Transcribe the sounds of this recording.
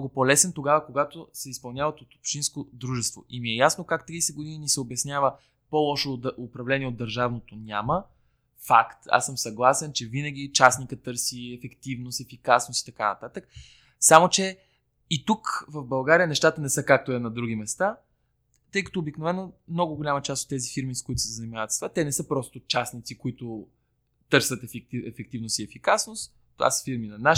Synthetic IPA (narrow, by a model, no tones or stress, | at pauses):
nɔɡopolɛsɛnt̪oɡavəkoɡat̪osɛispɐlˠnʲjavɐt̪ot̪o̥pʃt̪inskod̪ɾuʒɛst̪vo̰imiɛjasnokakt̪ɾiːsɛd̪ɡod̪ininisɛobjɐsnʲavə | pɔlˠɔʃoopɾɐvlɛniɛod̪ːəɾʒavnot̪onʲamə | fakt̪a̰sːəmsɐɡlˠasɛnt͡ʃɛvinəɡ̟ʲit͡ʃasnikət̪ːɤɾsiɛfɛkt̪ivnost̪ɛfikasnosi̥t̪ɐkanɐt̪at̪ək̚ | samot͡ʃɛ | it̪ukvɐvbɐlˠɡaɾijənɛʃt̪at̪ənɛsɤkak̚t̪oɛnɐd̪ɾuɡ̟imɛst̪a | t̪ɤjkɐ̥t̪oːbiknovɛnːomnɔɡʊɡʊlʲamət͡ʃast̪ot̪ːɛzifiɾmiskʊit̪ʊ̥sɛzɐnimavət̪st̪vat̪ɛnɛsɤpɾɔst̪ot͡ʃasnit̪sikʊit̪ʊ | t̪ɤɾsvɐt̪ɛfɛk̚t̪ivnoʊsiɛfikasnost̪ | t̪ːova̰sə̥fiɾminɐna